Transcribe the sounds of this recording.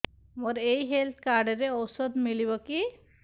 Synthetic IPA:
moɾejɦelt̪ʰkaɾɖɾeɔwsɔd̪miliβɔki

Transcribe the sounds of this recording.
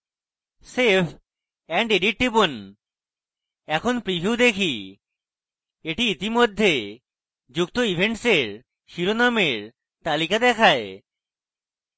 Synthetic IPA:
sepʰ | ɛɳɖeɖiʈ̚ʈipon | ɛkʰonpɾibʱiwd̪ekʰi | eʈiit̪imod̪ʱːe | d͡ʑukt̪oibʱeɳʈseɾ | ʃiɾonameɾ | t̪alikad̪ɛkʰae

